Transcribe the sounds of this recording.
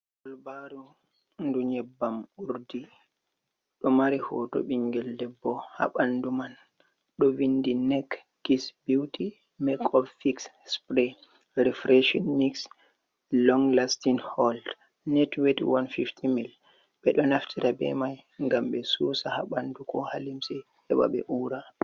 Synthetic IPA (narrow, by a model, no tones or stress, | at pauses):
kɔlbaɾu | nduɲɛbːamuɾdi | ɗɔmaɾihɔ̰tɔ̰ɓiŋɡɛldɛbɔha̰ɓanduman | ɗɔvindinɛk | ɡisbiwti | mɛkʰɔffiks | spɾɛ | ɾifɾeʃɔnmiks | lɔŋlastinhɔld | nɛtwetwanfiftʰimil | ɓɛɗɔnaftʰiɾabɛ̰majŋɡamɓɛsuːsaha̰ɓandukʰɔhalimsɛ | hɛwa̰ɓɛ̰ʔuɾa